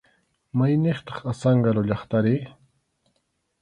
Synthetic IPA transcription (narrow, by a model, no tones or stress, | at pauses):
majneχt̪ɑ̥χasɑɴɢɑɾʊʎɑχt̪aɾɪ